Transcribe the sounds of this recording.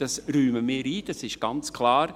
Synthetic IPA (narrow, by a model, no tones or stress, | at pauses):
d̥ɑsɾyːməmɪːɾiːd̥ɑsɪʃɡ̥ɑnt͡skʰlɑːɾ